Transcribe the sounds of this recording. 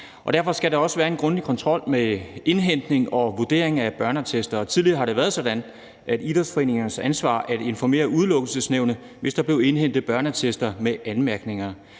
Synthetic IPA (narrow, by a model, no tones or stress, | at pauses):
ɒ̽d̥æɐfɒ̽sɡ̥æɾɑ̈ɒ̽səʋæːɐe̝nɡ̥ʁɔ̽nd̥ikʰɒ̽nt͡sʰʁɒ̽l̰mee̝nɦen̰d̥ne̝ŋɒ̽ʋud̥e̝̰ɐ̰e̝ŋæb̥ɶɐnɐt͡sʰesd̥ɐt͡sʰið̞ˠliɐːhɑ̈ɾe̝ʋæːɐð̞ˠsɒ̽d̥æn | ʔædid̥ɐsfɒ̽e̝̰ːne̝ŋɐnəsænsʋɑ̰̈ːʔæd̥e̝nfɒme̝̰ːɐʔuð̞ˠlɔ̽ɡ̥l̩səsneʊ̰nə | ʋe̝sd̥ɑ̈b̥le̝ʊe̝nɦen̰d̥ð̩b̥ɶɐnət͡sʰesd̥ɐmeʔænmæɐɡ̥ne̝ŋɐ